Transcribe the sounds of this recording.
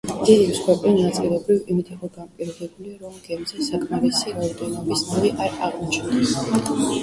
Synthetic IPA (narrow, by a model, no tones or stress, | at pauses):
d̪̥id̪imsχwɛpʼlinat̪sʼilɛbɾivimit̪ʰiqʼɔɡanpʼiɾɔd̪ɛbuliaɾɔmɡɛmzɛsakʰmaɾisiɾaɔd̪ɛnɔbisnaviʔaɾaʁmut͡ʃʰɛd̪ɛs